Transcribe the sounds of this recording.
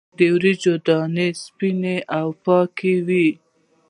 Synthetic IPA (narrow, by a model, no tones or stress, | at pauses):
d̪ewɾid͡ʒod̪ɑnespineʔawpɑkʰewi